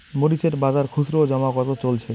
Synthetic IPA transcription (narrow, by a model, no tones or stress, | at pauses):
moɾiʃeɾbad͡ʑaɾkʰuʃɾod͡ʑɔmakɔt̪at͡ɕolt͡ɕʰe